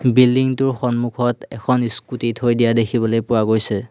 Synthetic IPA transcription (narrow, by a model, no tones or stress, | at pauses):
bildiŋtʊɹxɔnmukʰɔtɛkʰɔniskutitɦojdijadekʰibɔlojpʊwaɡojsɛ